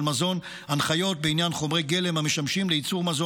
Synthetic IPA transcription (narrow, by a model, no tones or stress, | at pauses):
lmazo̞n | anχajo̞t̚beinjanχo̞mʁejɡele̞mhame̞ʃamʃimleit͡suʁmazo